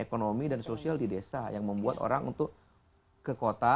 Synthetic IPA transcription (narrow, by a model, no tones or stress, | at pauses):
ekonomidansosialdidesajaŋməmbuat̪o̰ɾaŋṵnt̪ʊk̚ː | əkot̪a